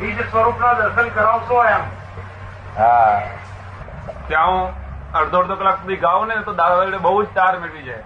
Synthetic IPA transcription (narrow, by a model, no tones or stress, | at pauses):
ɦid͡ʒsʋəɾupnad̪əsəlkəɾaʋsõɦjam | ɦa | t̪jãũ | əɾd̪ʱoɾd̪okəlakubʱiɡaʋunet̪od̪ad̪ʋaɾiɽebəɦud͡ʒt̪aɾmeɭid͡ʒae